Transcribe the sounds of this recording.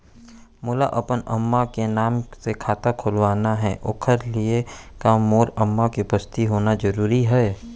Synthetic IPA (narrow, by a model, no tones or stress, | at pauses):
mʊla̰ʔɐpənɐ̰mːakenaːmsekʰaːt̪akʰʊlʋaːnaɦɛ̰ːʔʊːkʰəɾliekamːoːɾəmːakipəst̪iɦoːnad͡ʒəɾuːɾiɦɛː